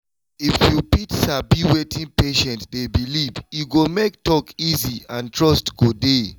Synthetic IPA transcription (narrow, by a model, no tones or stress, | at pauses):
ifjupitsabiwetʰĩŋpeʃɛ̃ntdebilivjuɡomek̚tɔkiziãntʰɹɔstɡ̥ode